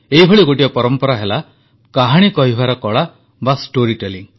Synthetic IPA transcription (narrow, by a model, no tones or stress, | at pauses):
eɦibʱɔɭiɡoʈijɔpɔɾɔmpɔɾaɦela | kaɦaɽ̃ikɔɦibʱaɾɔkɔɭa | basʈoɾiʈeliŋ